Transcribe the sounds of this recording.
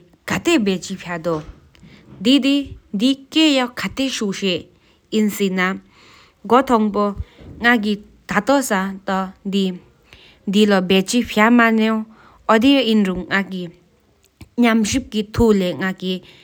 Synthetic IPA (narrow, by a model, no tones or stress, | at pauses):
kʰat̪ebɛːt͡ɕipʰad̪o | d̪id̪id̪ikejɑʔkʰat̪eɕuʔɕeʔ | jinsina | ɡot̪ʰɔŋpoŋak̬i | t̪at̪ɔsat̪ɔd̪i | d̪ilabɛːt͡ɕipʰjamaneŋ | ʔɔd̪eʔinɹuŋːaki | ɲamɕip̚kit̪ʰuleŋaki